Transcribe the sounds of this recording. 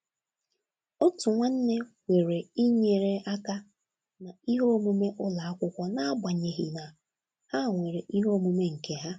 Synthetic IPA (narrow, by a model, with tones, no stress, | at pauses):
o˦tu˨ŋʷa˦n̩˦ne˦kʷe˨ɾe˨i˦ɲe˨ɾe˨a˦ka˦ | na˨i˦ɦo˦mu˦me˦ʔʊ˦la˨a˦kʷʊ˦kʷɔ˦na˨a˦ba˨ɲe˨ɦi˨na˨ | ha˦˨ŋʷe˨ɾe˨ʔi˦ɦo˦mu˦me˦ŋ̩˨ke˨ɦa˦